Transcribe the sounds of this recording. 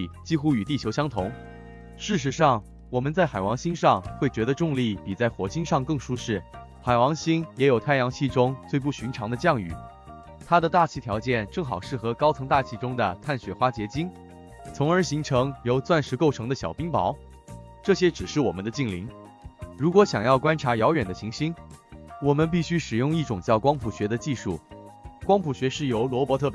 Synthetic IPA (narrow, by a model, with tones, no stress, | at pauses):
t͡ɕi˥xu˥y˨˩t̪i˥˩t͡ɕʰjo˧˥ʊɕjɑ˥ŋt̪ʰʊ˧˥ŋ | ʂɻ̩˥˩ʂ̬ɻ̩˧˥ʂɑ˥˩ŋ | wɔ˨˩mə˦nt͡sa˥˩ɪxa˨˩ɪwɑ˧˥ŋɕi˥nʂɑ˥˧ŋxwe˥˩ɪt͡ɕɥɛ˧˥d̪ə˧ʈ͡ʂʊ˥˧ŋli˥˩pi˨˩t͡sa˥˩ɪxwɔ˧˥t͡ɕi˥nʂɑ˥˧ŋkɤ˥˩ŋʂu˥ʂɻ̩˥˩ | xa˨˩ɪwɑ˧˥ŋɕi˥njɛ˧˥jo˨˩ʊt̪ʰa˥˩jɑ˧˥ŋt͡ɕʰi˥˩ʈ͡ʂʊ˥ŋt͡swe˥˧ɪp̬u˥˩ɕy˧˥nʈ͡ʂʰɑ˧˥ŋd̪ə˧t͡ɕjɑ˥˩ŋy̰˨˩˦ | t̪ʰa˥d̪ə˨t̪a˥˩t͡ɕʰi˧˥t̪ʰjɑ˧˥ʊt͡ɕjɛ˥˧nʈ͡ʂɤ˥˩ŋxɑ˨˩ʊʂɻ̩˥˩xɤ˧˥kɑ˥ʊt͡sʰɤ˧˥ŋt̪a˥˩t͡ɕʰi˧˥ʈ͡ʂʊ˥ŋd̪ə̰˨t̪ʰa˥˩nɕɥɛ˧˥xwa˥t͡ɕjɛ˧˥t͡ɕi˥n | t͡sʰʊ˧˥ŋə˞˧˥ɕi˧˥ŋʈ͡ʂʰɤ˧˥ŋjo˧˥ʊt͡swa˥˧nʂɻ̩˧˥ko˥˩ʊʈ͡ʂʰɤ˧˥ŋd̪ə˧ɕjɑ˨˩ʊpi˥ŋpɑ˧˥ʊ | ʈ͡ʂɤ˥˩ɕjɛ˥ʈ͡ʂɻ̩˨˩ʂɻ̩˥˩wɔ̰˨˩mə˦nd̪ə˧t͡ɕi˥˩ŋli˧˥ŋ | ɻu˧˥kwɔ˧˥ɕjɑ˨˩ŋjɑ˥˩ʊkwa˥nʈ͡ʂʰa˧˥jɑ˧˥ʊɥɛ˨˩nd̪ə˦ɕi˧˥ŋɕi˥nwɔ˨˩mə˦np̬i˥˩ɕy˥ʂɻ̩˨˩jʊ˥˧ŋi˥˩ʈ͡ʂʊ˨˩ŋt͡ɕjɑ˥˩ʊkwɑ˥ŋpʰu˨˩ɕɥɛ˧˥d̪ə˧t͡ɕi˥˧ʂṵ˥˩kwɑ˥ŋpʰu˨˩ɕɥɛ˧˥ʂɻ̩˥˩jo˧˥ʊlwɔ˧˥pwɔ˧˥ɤ˥˩p